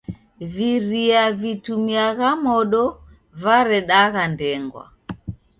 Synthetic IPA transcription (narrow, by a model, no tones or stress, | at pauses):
viɾiavitumiaɣamɔɗɔ | vaɾɛɗaɣandɛŋɡwa̰